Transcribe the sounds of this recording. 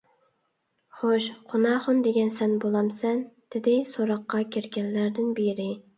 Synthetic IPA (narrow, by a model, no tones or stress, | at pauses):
χoʃqʰʊnɑːχʊnd̪eɡʲɛnsɛnbolˠɑmsɛnd̪̥ɪd̪ɪsoɾɑqːɑkʲʰeɾɡʲɛnːæɾd̪ɪnbeɾɪ